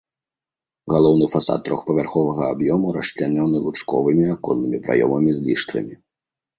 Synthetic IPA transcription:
ɣalˠɔwnɨfasa̰t̪ːɾɔxpɐvʲarxɔvɐɣɐabjɔmuɾɐʂt͡ʃlʲanɛwnɨlˠut͡ʂkɔ̰vɨmʲiakɔnːɨmʲipɾʔa̰jɔ̰mɐmʲizʲlʲiʂt̪vɐ̰mʲi

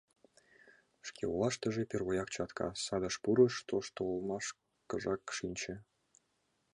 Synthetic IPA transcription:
ʃkʲḛulˠɑʃt̪ə̆ʒepʲerβojɑkt͡ɕɑt̪kʰɑ̰sɑd̪ɤ̆ʃpuɾɤ̆ʃt̪oʃt̪olˠmɑʃ | kɤ̆ʐɑkʃinʲt͡ɕĕ

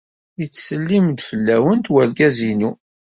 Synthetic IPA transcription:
jət͡sːsəlːimd̪fəlːæwənt̪wæɾɡæzinu

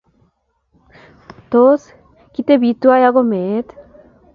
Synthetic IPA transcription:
t̪os | kit̪ebit̪uajaɣomet̪

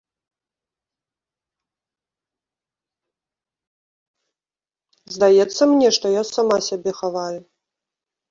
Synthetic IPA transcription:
zd̪ajɛt̪sːɐmnʲɛʂt̪ɔjasamasʲabʲɛxavaju

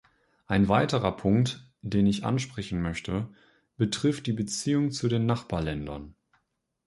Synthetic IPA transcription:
ʔaɪnvaɪtəʁɐpʰʊŋkt | d̥eːnɪçʔa̰nʃpʁ̥ɛçn̩mœçtʰə | b̥ətʁ̥ɪft̚d̥iːbət͡siːʊŋt͡sudeːnːaχb̥aːɐlɛndɐ̰n

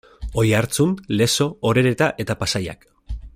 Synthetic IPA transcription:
o̞jaɾt͡sunle̞so̞ːɾe̞ɾe̞t̪aʔe̞t̪apasaja̰k

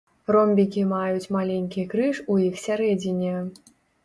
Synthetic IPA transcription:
rɔmʲbʲikʲimajut͡sʲmalʲenʲkʲikɾɨʂujixsʲaɾɛd͡zʲinʲɛ

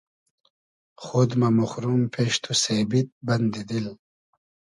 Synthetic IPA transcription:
xod̪mamuxɾumpʰeːʃt̪ʰusebit̪̚bɐnd̪id̪il

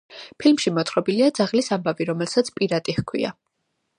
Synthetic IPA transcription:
pʰilmʃimɔt̪ʰʼɾɔbiliad̪zaʁlisambaviɾɔmɛlsat̪sʰpʼiɾat̪ʼihkʰwḭa̰

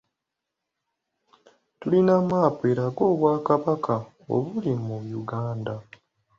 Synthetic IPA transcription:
tulinamaːpwe̞ːɾaɡo̞ːβwaːkaβakʰa | o̰βulimujuɡaːnda

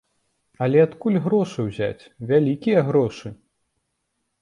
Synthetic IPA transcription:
ɐlʲɛat̪kulʲɣɾɔʂɨwzʲa̰t͡sʲvʲalʲikʲijɐɣɾɔʂɨ

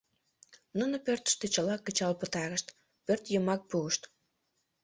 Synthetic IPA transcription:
nunopørt̪ə̥ʃt̪e̽t͡ɕəlɑkːət͡ɕɑlpət̪ɑɣəʃt̪ | pørt̪jəmɑk̚puəʃt̪

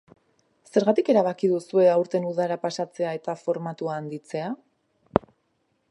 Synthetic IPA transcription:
se̞ɾɣat̪ike̞ɾaβakiðusue̞awɾt̪e̞nuð̞aɾapasat͡se̞ae̞t̪afo̞ɾmat̪uaːnd̪it͡se̞a

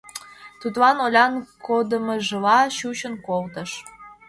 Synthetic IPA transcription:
t̪ut̪lɑnolʲɑnkʰod̪ə̆mɤ̆ʒə̆lɑɕut͡ɕə̆nkolt̪ə̆ʃ

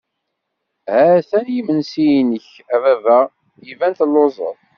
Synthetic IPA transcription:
hæθænjimənsijnəç | ævævæʁ | jivænt̪əlːozˤə̰ðˤ

